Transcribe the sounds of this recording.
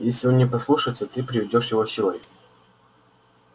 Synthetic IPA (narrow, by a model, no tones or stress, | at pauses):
jesʲlʲɪonʲːɪpɐslˠuʂəjt̪sʲət̪ɨpɾʲɪvʲɪdʲo̞ʂjɪvosʲilˠəjʲ